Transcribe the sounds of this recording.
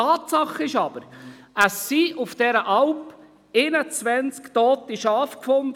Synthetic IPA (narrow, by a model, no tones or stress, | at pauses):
ɑːt̪sɑχɪʃɑb̥əɾ | əsːiʔʊfd̥ɛɾəʔɑlp | ɪnət͡sʋɛnt͡skt̪ɔːt̪ɪʃɑːfkfɔnd